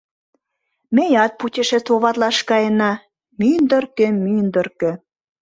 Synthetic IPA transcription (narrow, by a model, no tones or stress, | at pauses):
mejɑt̪̚put̪ʲĕʃĕst͡s̪oβɑt̪lɑʃkɑjə̆nɑ | mynd̪ə̆rkĕmynd̪ə̆rkĕ